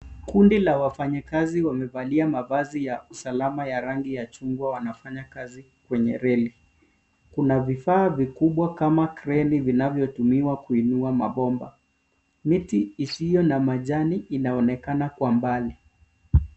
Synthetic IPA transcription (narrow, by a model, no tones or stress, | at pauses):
kundilawafaɲakaziwamɛvaliamavazijausalamajaɾaŋɡijat͡ʃuŋɡwawanafaɲakazi | kwɛɲɛ̰ɾɛli | kunavifaːvikuɓwakamakɾɛlivinavjɔtumiwakuinuama̰ɓɔmba̰ | mitiisijɔnamaʄaniːnaɔnɛkanakwambali